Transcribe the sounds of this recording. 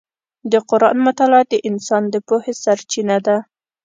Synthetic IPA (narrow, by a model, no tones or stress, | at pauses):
d̪əqʊɾʔɑnmʊt̪alɑt̪̚d̪əʔɪnsɑnd̪əpohesaɾt͡ʃinad̪a